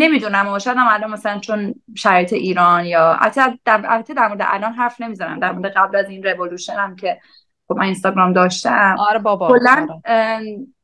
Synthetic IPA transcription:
ne̞mid̪unæmɒʃɛd̪æmːæɾlomːæsælænt͡ʃʰo̞nʃæɾɒjet̪ʰeʔiːɾɒːnjɒːa̰æt̪ʰːd̪æalbæt̪ʰed̪æɾmo̞ɾed̪ɛ̰ʔælɒnɦæɾfne̞mizɒɾæ̰md̪æɾmoɾed̪eɣæblæzinɾevoluʃenæmcʰe̞ | xobmæninst̪ɒɡɾɒːmd̪ɒːʃt̪æmɾeolːæn

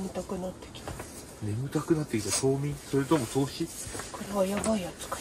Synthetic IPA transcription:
mɯ̟t̪akɯ̟nat̪ːe̞̥kʲi̥t̪ḁ | ne̞mɯ̟t̪akɯ̟nat̪ːe̞kʲit̪at̪o̞ːmʲĩso̞ɾe̞t̪o̞moso̞ːɕi | koɾe̞βajabaiat͡sɨ̥kḁ

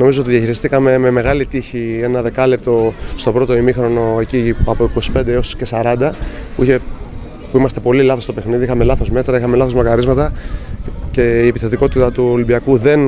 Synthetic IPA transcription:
no̞mizo̞ot̪iðjɐçiɾist̪ikɐme̞meme̞ɣɐlit̪içie̞nɐðe̞kɐlep̚t̪o̞st̪o̞bɾo̞t̪o̞imixɾo̞no̞e̞ciɐpoiko̞si̥pe̞nd̪eosce̞sɐɾɐnd̪ɐpuiçe̞ | puimɐst̪e̞po̞lilɐθost̪ope̞xniðiixɐme̞lɐθo̞zme̞t̪ɾɐixɐme̞lɐθomɐkɐɾizmɐt̪ɐ | ce̞iepiθet̪iko̞t̪it̪ɐt̪uolibiɐkuðe̞n

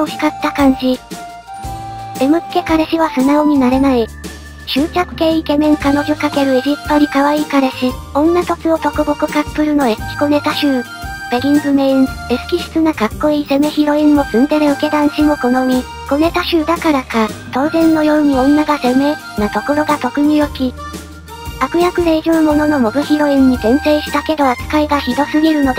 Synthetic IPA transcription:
oçʲi̥kat̪ːakãɲ̟d͡ʑi | e̞mɯ̟̥ke̞kaɾe̞ɕiβ̞asɨnaoɲ̟inaɾe̞nai | ɕɨːt͡ɕakɯ̟̥ke̞ike̞mẽ̞ŋkano̞ʑo̞kake̞ɾɯ̟eʑipt̪p̪oɲ̟ikaβaiːkaɾe̞ɕi | õ̞nːat̪o̞t͡sɨo̞t̪o̞koɡokɯ̟kapːɯ̟ɾɯ̟no̞e̞̥kʲi̥ko̞ne̞t̪aɕɨː | b̥e̞ɾʲĩŋɡɯ̟me̞ĩne̞sɨ̥kʲiɕɨ̥t͡sɨnakakːo̞iːse̞me̞çiɾo̞ĩmːo̞sɨ̃nd̪e̞ɾeɯ̟ke̞d̪ãɰ̃ɕino̞ko̞no̞ɲ̟ʲi | ko̞ne̞t̪aɕɨːd̪akaɾakat̪o̞ːzẽ̞nːo̞jo̞ːɲ̟iõ̞nːaɡase̞me̞ | nat̪o̞ko̞ɾo̞ɡat̪o̞kɯ̟ɲ̟ijo̞kʲi | akɯ̟jakɯ̟ɾeiʑoːmo̞no̞nomo̞ɡɯ̟çiɾo̞ĩɲ̟ːizẽ̞ɰ̃se̞ːɕi̥t̪ake̞d̪o̞at͡sɨ̥kaiɡaçid̪o̞sɨɡʲiɾɯ̟no̞d̪e

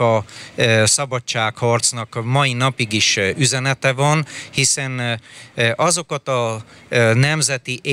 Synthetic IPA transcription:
ɒ | sɒbɒt͡ʃt͡ʃːaːkhɒrt̪snɒkmɒjinɒpiɡiʃyzɛnɛt̪ɛvɒnhisɛn | ɒzo̞kɒt̪ɒ | nɛmzɛt̪iʔe

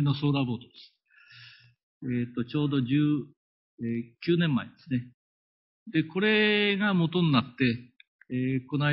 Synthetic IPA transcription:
ino̞so̞ːɾabo̞ːt̪od̪̥esɨ̥ | eːt̪ːo̞t͡ɕo̞ːd̪o̞ʑɨː | eːkʲɨːnẽ̞mːaed̪̥e̞sɨne̞ | d̪e̞ko̞ɾe̞ɡamo̞t̪o̞ninat̪ːe̞ | ko̞na

